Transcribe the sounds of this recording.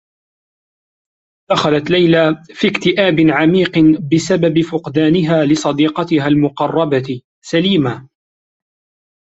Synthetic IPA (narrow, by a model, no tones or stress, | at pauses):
d̪̥axalat̪lajlafiːkt̪ɪʔaːbɪʕamiːqbɪsababɪfʊqd̪aːnɪɦaːlɪsˤɑd̪iːqɑt̪ɪɦalmʊqɑrˤːɑbat̪ | saliːma